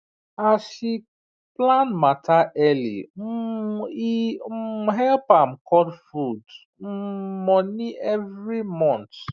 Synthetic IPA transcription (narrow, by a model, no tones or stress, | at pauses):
aʃi | planmataʔɛlḭm̩i | ɦɛlpam̩kɔdfud | m̩mɔniʔɛvɾimɔ̃nt